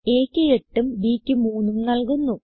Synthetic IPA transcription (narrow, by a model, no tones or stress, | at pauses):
eːkʲːɨeʈːumbiːkʲːɨmuːnːumnɐɭkunːu